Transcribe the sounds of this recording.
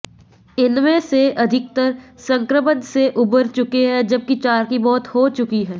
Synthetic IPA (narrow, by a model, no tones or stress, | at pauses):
ɪnmẽseʔɐd̪ʱɪk̚t̪əɾsɐ̃ŋkɾəmənseʔʊbəɾt͡ʃʊkeɦɛd͡ʒɐb̚kit͡ʃaːɾkimɔːt̪hot͡ʃʊkiɦɛː